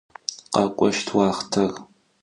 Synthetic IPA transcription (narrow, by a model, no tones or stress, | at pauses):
qɐkʷʼɔʃtʰwɑːχtʰɐr